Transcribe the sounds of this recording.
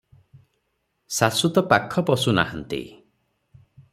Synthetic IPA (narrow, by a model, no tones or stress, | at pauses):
sasut̪ɔpakʰːɔpɔsuna̰hant̪ḭ